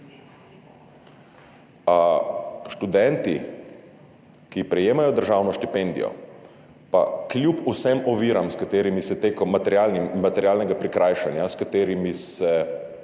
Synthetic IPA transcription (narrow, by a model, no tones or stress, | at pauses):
ʃt̪ud̪ɛnt̪i | kipɾɛjeːmajɔd̪əɾʒawnɔʃt̪ipend̪ijɔ̰ | pa̰klʲjupusɛmɔʋiːɾamskat̪eːɾimisɛt̪ekɔmat̪ɛɾjalnimmat̪ɛɾjaːlnɛɡapɾikɾʔaːjʃanjaskat̪eːɾimisɛ